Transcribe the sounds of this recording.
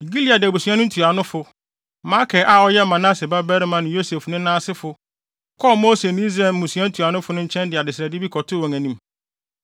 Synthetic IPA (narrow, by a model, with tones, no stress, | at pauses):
ɡi˦li˦a˨dɪ˨bu˨sɥã˦nʊ̃˦n̩˦tʰu˨a˨nʊ̃˦fʊ˨ | ma˦kʰɛ˨ʔa˦˨ɔ˦jɛ˦mã˨nã˦sɪ˨ba˦bɛ˦ɾmã˨nʊ̃˨jo˦se˨fnʊ̃˦nãː˦sɪ˦fʊ˨ | kʰɔ˦˨mo˦se˨n˦ĩ˦zɛ˨m̩˦˨ũ˨su˨˦ã˦n̩˦tʰu˨a˨nʊ̃˦fʊ˨nʊ̃˦ɲ̩˦t͡ɕʰɛ̃˦ndɪ˨a˨dɪ˨sɾa˨dɪ˦bi˦kʰɔ˨tʰʊ˦wɔ̃˨ŋæ̃˨nĩ˦m